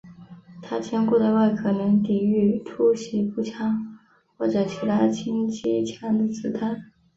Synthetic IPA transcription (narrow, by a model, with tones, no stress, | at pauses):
t̪ʰa˥t͡ɕʰjɛ˥nku˥˩d̪ə˩wa˥˩ɪkʰɤ˨˧˩nə˧˥ŋt̪i˨˩y˥˩ʈ͡ʂʰu˥ɕi˧˥pu˥˩t͡ɕʰjɑ˥ŋ | xwɔ˥˩ʈ͡ʂɤ˧˩t͡ɕʰi˧˥t̪ʰa˥t͡ɕʰi˥ŋt͡ɕi˥t͡ɕʰjɑ˥˩ŋd̪ə˨t͡sɹ̩˨˩t̪ʰa˥˩n